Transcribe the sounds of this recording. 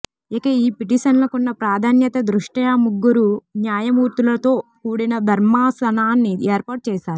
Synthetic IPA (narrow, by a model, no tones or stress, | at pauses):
ekɐiːpiʈiʃɐnlɐkunːɐpɾaːd̪ʱaːnjɐt̪ɐd̪ɾuʂʈɐjamuɡːuɾunjaːjɐmuːɾt̪ulɐt̪o̞ːkuːɽinɐd̪ʱɐɾmaːsɐnaːnːieːɾpaːʈ̚t͡ʃɛːʃaːɾu